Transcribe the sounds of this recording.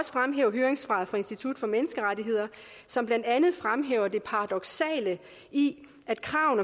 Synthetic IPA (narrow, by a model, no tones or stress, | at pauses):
ɒ̽sə̥fʁamɦḛːʊ̰ɐɦøːɐeŋsfʁɑ̈ːðˠfʁɑ̈e̝nsd̥it͡sʰud̥fɒ̽menəsɡ̥əʁaɾiɦe̝ð̰ˠɐ | sɒ̽mb̥lænd̥ænð̩ˠfʁamɦḛːʊ̰ɐd̥e̝pʰɑ̈ɑ̈d̥ɒ̽ɡ̥sɛ̰ːlə | i | ʔæd̥kʰʁɑ̈ʊn